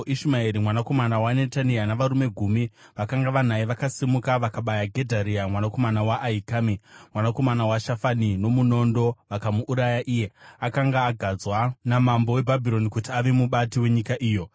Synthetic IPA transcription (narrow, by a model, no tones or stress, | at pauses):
iʃmaeɾimwanako̞manawane̞tanijanaʋaɾume̞ɡʱumiʋakaŋɡaʋan̤aiʋakasimukaʋakaɓajaɡʱe̞dʱaɾiamwanako̞manawaʔːikamimwanako̞manawaʃafanino̞muno̞ndo̞ʋakamuʔːɾajaʔiːje̞akaŋɡaːɡʱad͡zwanamambo̞we̞bʱabʱiɾo̞nikutiaʋemuɓatiwe̞ɲikaʔiːjo̞